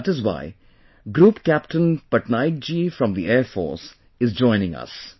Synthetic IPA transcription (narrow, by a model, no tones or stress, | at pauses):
ʈɪzwa̰ɪ | ɡɾuːpkæp̚ʈə̃npəʈnaɪk̚d͡ʒiːfɾʌ̃md̪ieːɾfɔ̰ːɾs | ɪzd͡ʒɔ̃ɪ̃nɪ̃ŋʌ̰s